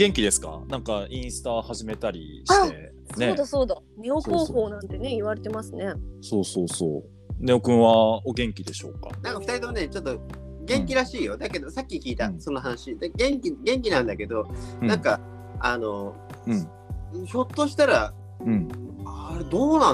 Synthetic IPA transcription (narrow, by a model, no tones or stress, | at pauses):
ɡẽ̞ŋkʲid̪e̞sɨ̥ka̰nãŋkaĩɰ̃sɨ̥t̪ahaʑime̞t̪aɾʲḭɕḁe̞ | snoeːd̪asoːd̪a | ne̞o̞po̞ːɸo̞ːnãnt̪e̞ne̞iβaɾe̞t̪e̞masɨne̞soːsoːso̰ː | ne̞okɯ̟̃ɰ̃βaoɡẽ̞ŋkʲid̪e̞ɕo̞̰ːka̰nãŋkaɸɯ̟t̪aɾit̪oane̞t͡ɕo̞t̪ːo | ɡẽ̞ŋkʲiɾaɕiːjo̞d̪ake̞d̪o̞sakʲːikʲiːt̪aso̞noɦanaɕid̪aɡẽ̞ŋkʲiɡẽ̞ŋk̬ʲinãnd̪ake̞d̪o̞ãŋka | ano̞ | ɯ̟̃ | ço̞t̪ːo̞ɕi̥t̪aɾa | ɯ̟̃ɴaɾed̪o̞ːnã